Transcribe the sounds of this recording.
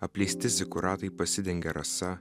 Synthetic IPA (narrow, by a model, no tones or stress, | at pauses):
ɐpʲlʲɛɪsʲt̪ʲɪzʲɪkʊɾɑːt̪ɐɪpɐsʲɪd̪ʲɛŋʲɡʲɛɾɐsɐ